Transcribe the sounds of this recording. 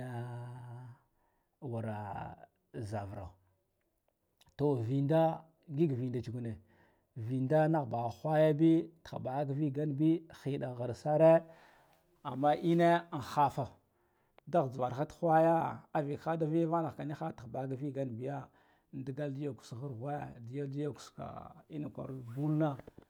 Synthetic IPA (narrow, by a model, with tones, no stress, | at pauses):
wa˨ɾa˨ | za˨vɾa̰˨ | to˨vi˨nda˦ | ɡi˦ɡvi˨nda˨t͡ʃi˨ɡu˨ne˨ | vi˨nda˦na˦ɣba˨xʷa˦ja˦bi˦ta˨ba˨˦ɡvi˦ɡa˦nbi˦xi˨ɗa˨ɣa˨ɾsa˦ɾe˦ | a˨mːa˦ʔi˦ne˦˨xa˦fa˨ | da˦ɣd͡zu˨va˨ɾxa˦txʷa˦ja˦a˦vi˨kxa˦da˦vi˦ja˦va˦na˨ka˨ni˦xa˦tba˨˦ɡa˦vi˦ɡa˦nbi˦ja˦ | n˦di˦ɡa˦ldi˦ja˨ku̥˨sɣa˦˨ɾɣe˦˨di˦ja˦di˦ja˦ku̥˨ska̰˨i˦na˨kʷa̰˨ɾbu˦lna˦